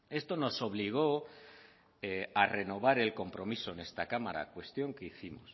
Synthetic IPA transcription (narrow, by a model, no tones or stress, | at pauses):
e̞st̪o̞no̞so̞β̞liɣ̞o̞ | are̞no̞β̞aɾe̞lko̞mpɾo̞miso̞ene̞st̪akamaɾa̰kwe̞st̪jo̞ŋkeiθimos